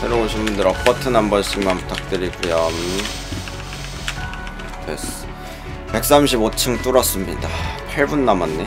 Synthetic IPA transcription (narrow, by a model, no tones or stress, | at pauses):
se̞ɾoboɕʰinbundɯɾʌk͈atʰɯnambʌɭɕ͈iŋmanputʰak̚t͈ɯɾikujam | pes | pe̞k̚s͈amɕʰibot͡ɕʰɯŋt͈oɾʌs͈ɯmɲḭdapʰaɭbunːamanːe